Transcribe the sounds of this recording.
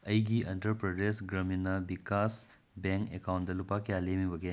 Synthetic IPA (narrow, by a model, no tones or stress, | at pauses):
ɐjɡiʔɐ̃ɳʈəɾpɾɐɖesɡɾɐminɐʋikas | bẽŋkḛkawɳd̪ɐlupakealemiʋɐɡe